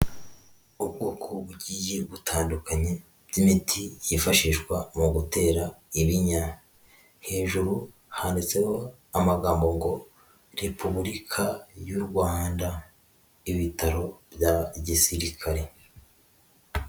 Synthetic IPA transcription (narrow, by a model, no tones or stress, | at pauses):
ubɡoːkʰoβuɟiːje̞βutʰaːndukaɲe̞ | bjimitʰijifaʃiʒɡwamuɡute̞ːɾaiβiɲa | he̞ːʒuɾu | handet͡se̞ho̞ | amaɡaːmbo̞ŋɡo̞ | ɾe̞pʰuβuɾikʰajuɾɡwaːnda | iβitaɾo̞bjaɟisiɾikʰaɾe̞